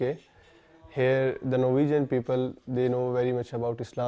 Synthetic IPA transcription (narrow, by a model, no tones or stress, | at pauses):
e | heɾd̪ənoːʋiːd͡ʒə̃npiːpəld̪eːnoːʋɛɾimɐt͡ʃəbaʊʈɪslãː